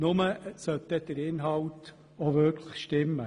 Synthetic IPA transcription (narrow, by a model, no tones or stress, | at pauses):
nʊməsœt̪ːɛd̥̪əɾɪnɦɑlt | ɔʋøɾkʰləχʃtɪmːə